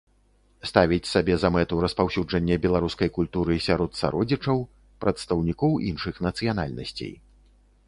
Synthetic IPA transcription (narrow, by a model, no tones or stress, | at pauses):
st̪avʲit͡sʲsabʲɛzɐmɛt̪uɾɐspawsʲud͡ʐɐnʲːɛbʲɛlˠaɾuskɐjkulʲt̪uɾɨsʲaɾɔt̪sa̰ɾɔd͡zʲit͡ʂɐw | pɾʔɐt̪st̪ɐwnʲikɔwḭnʂɨxnɐt̪sɨjan̪a̰lʲnɐ̰sʲt͡sʲḛj